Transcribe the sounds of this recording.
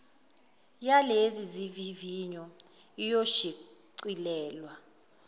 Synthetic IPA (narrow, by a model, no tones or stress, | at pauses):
jaleziziviviɲɔ | ijoʃiǀilɛːlwa